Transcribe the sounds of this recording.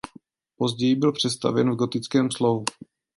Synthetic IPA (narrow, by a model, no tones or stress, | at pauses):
po̞zɟɛjibɪlpr̥ɛst̪a̰vɛnvɡot̪ɪt͡skɛːmslovu